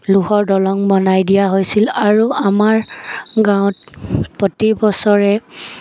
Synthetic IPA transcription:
luxɔɹdɔlɔŋbɔnajdijaɦojsilaɹuamaɹɡãʊ̃t̚potibɔsɔɹɛ

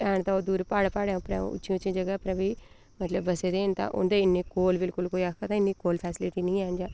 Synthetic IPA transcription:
ɛːnt̪aoːd̪uːɾpaːɽpaːɽẽʊpɾɛ̰̃ːʊ̰t͡ʃːʃjĩʊt͡ʃjĩːd͡ʒəɡaːpɾɛ̃ːbʱiː | mət̪ləbːəseːd̪eːnt̪ã̰ʔʊ̰nd̪eɪnːĩːkoːlbɪlkʊlkoːiakʰːaːt̪ãɪnːiːkoːlpʰɛːsɪlɪʈinĩːɛːnd͡ʒaː

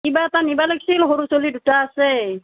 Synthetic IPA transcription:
ibat̪anibaleksilɦɔɾusolidutaːsɛ

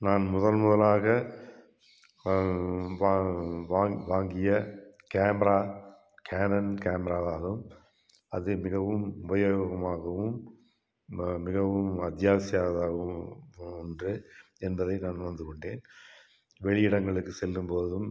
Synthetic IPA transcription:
naːnmʊðɐlmʊðɐlaːɣɐ | ʋʋaːŋʋaːŋɡɪjɐkeːmɾaː | kʰeːnɐnkeːmɾaːðaːɣɯm | ɐðɯmɪɣɐʋɯmʊbɐjoːɣɣɐmaːɣɐʋɯm | mɪɣɐʋɯmɐt̪jaːsɪjaːðaːɣɯmɔndrɯ | ɛnbɐðɐɪnaːnʋɐnd̪ɯkɔɳɖeːn | ʋɛɭɪjɪɽɐŋɡɐɭɯkːɯsɛlːɯmpoːðɯm

